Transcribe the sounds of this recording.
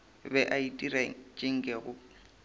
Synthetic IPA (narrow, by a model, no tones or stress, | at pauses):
bɛʔaitʼiɾat͡ʃʼɪŋ̩kʼɛɣʊ